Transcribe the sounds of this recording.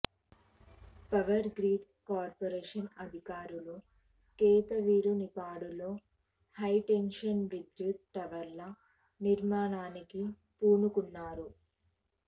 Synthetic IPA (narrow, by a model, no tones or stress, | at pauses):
pɐʋɐɾɡɾiːɖ | kaːɾpoɾeːʂɐnɐd̪ʱikaːɾulu | kɛːt̪ɐʋiːɾunipaːɽulo̞ː | hɐjʈenʂɐnʋid̪ɾut̪̚ʈɐʋɐɾlɐ | niɾmaːnaːniki | puːnukunːaːɾu